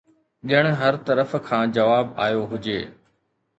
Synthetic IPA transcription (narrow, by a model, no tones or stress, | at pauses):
ɗɪəɽ̃̆ɦɐɾt̪ɐɾəfkʰãːd͡ʑɐʋaːba̰ːjoɦʊd͡ʑeː